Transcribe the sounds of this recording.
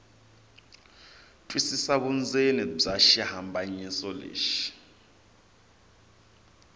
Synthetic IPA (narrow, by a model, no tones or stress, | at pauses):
tʼwisisaβund͡zʱenib͡ʐaʃihambʱaɲisɔlḛːʃi̥